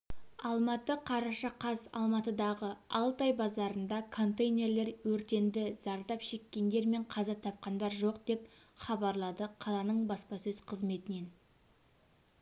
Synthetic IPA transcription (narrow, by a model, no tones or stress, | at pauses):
ɑlˠmɑt̪əqʰɑɾɑʃɑqʰɑsɑ̰lˠmɑt̪əd̪ɑʁəɑlˠt̪ɑjbɑzɑɾənd̪ɑkʰo̞nt̪ejnʲe̞ɾle̞ɾwɵɾt̪e̞nd̪ɪzɑɾd̪ɑpʃe̞kʲːe̞nd̪e̞ɾme̞ɴqʰɑzɑt̪ʰɑp̚qɑnd̪ɑɾʒo̞qd̪̥e̞pχɑbɑɾlˠɑd̪əqʰɑlˠɑnəɴbɑspɑsɵz̥qʰəzme̞t̪ɪne̞n